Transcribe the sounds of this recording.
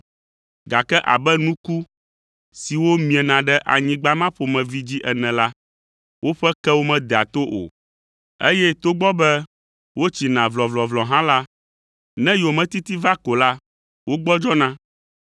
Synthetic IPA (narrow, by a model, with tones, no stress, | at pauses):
ɡa˨kɛ˦ʔa̰˨bɛ˦nũ˦ku˦ | si˨wo˦mĩ˨ɛ˨nã˨ɖɛ˦ʔa̰˨ɲĩ˦ɡ͡ba˦mã˦ɸo˨mɛ̃˨vi˦d͡ʑi˦ʔɛ˨nɛ̃˨la˦ | wo˦ɸɛ˦kɛ˦wo˦mɛ̃˨d̪ɛ˨a˨t̪o˦ʔo̰˨ | ḛ˦jɛ˦t̪o˦ɡ͡bɔ˦bɛ˦ | wo˦t͡ɕi˨nã˨vlɔ˨vlɔ˨vlɔ˨ɦã˦la˦ | nɛ̃˦jo˨mɛ̃˨t̪i˦t̪i˦va˦ko˨la˦ | wo˦ɡ͡bɔ˦d͡ʒɔ˦nã˦